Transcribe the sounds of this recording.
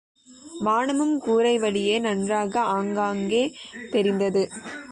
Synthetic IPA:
maːɳɯmɯmkuːɾɐɪʋɐɽɪjeːnɐndraːɣɐaːŋɡaːŋɡeːt̪ɛɾɪnd̪ɐðɯ

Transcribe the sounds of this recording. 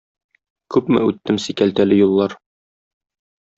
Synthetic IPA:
kʉpmɘ̰ʉt̪ːɘmsikælt̪ælɘjulˠːɑɾ

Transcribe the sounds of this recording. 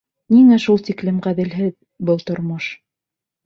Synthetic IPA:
niŋæʃulˠt̪iklɘmʁæðɘ̆lɦɘð | bɤlˠt̪ŏɾmɤʃ

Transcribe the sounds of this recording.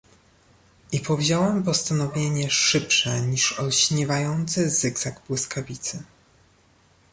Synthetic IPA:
ipɔvʑɔwɛmpɔst̪anɔvʲjeɲɛʂɘpʂɛɲiʂɔɕɲɛvajɔnt̪sɘzɘɡzaɡbwɘskʰavʲit̪sɘ

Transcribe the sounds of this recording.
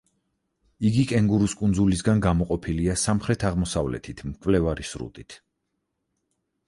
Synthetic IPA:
iɡikʼɛŋɡuɾuskʼunzulisɡanɡamɔqʼɔpʰiliasamχɾɛt̪ʰaʁmɔsavlɛ̰t̪ʰit̪ʰmkʼvlɛvaɾisɾṵt̪ʼit̪ʰ

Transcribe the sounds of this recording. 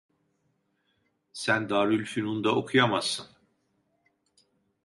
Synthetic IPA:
sænd̪aːɾylʲfinund̪ao̞kʰujamazːɯn

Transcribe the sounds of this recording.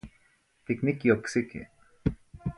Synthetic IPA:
t̪iknikioksikḭ

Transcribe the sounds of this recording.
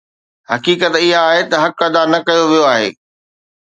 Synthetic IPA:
hɐkiːkət̪ɪɦaːɦet̪ɐɦɐkɐd̪aːɾnɐkɐjoʋijoaːɦḛː

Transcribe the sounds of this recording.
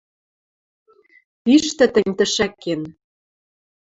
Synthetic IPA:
piʃt̪ɘ̆t̪ə̆nʲt̪ə̆ʃækːen

